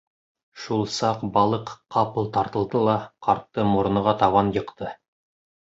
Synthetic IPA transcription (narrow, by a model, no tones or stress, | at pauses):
ʃulˠsɑqbɑlˠɤqqːɑpɤlˠt̪ɑɾt̪ɤ̆lˠd̪ɤlˠɑqɑɾt̪ːɤmuɾɤ̆nɤ̆ʁɑt̪ɑβɑnjɤ̆qt̪ɤ